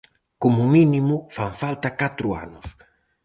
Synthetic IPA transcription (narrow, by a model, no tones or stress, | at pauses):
komʊminimʊfaɱfalt̪akat̪ɾʊa̰nʊs